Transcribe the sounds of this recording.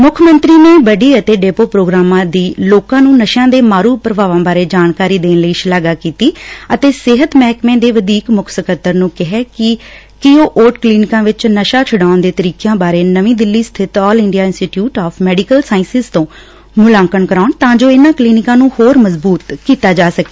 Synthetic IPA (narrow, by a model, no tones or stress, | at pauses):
mʊkʰmənt̪ɾiːnẽːbəɖiːət̪eːɖeːpoːpɾoːɡɾaːmãːd̪iːloːkãːnũːnəʃãːd̪eːmaːɾuːpɾəbaːʋãːbaːɾeːd͡ʒaːnkaːɾiːd̪eːnləiːʃlaːɡaːkiːt̪iːət̪eːsɪɦət̪mɛːkmẽːd̪eːʋəd̪iːkmʊkʰsəkət̪ːəɾnũːkɪɦɛːkɪ | kioːʔoːʈkliːnɪkãːʋɪt͡ʃnəʃaːt͡ʃʰʊɽaːʊnd̪eːt̪əɾiːkjãːbaːɾeːnəʋĩːd̪ɪlːiːst̪ʰɪt̪ɔːlɪ̃ɳɖijaːɪ̃nsʈiʈjuːʈɔːfʰmɛːɖikəlsaːɪ̃nsɪzt̪õː | mʊlãːŋkənkəɾaːʊnt̪ãːd͡ʒoːɪnãːkliːnɪkãːnũːhoːɾməzbuːt̪kiːt̪aːd͡ʒaːsəkeː